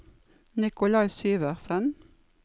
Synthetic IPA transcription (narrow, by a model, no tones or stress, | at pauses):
nɪkʊlɑɪsyːʋəʁsən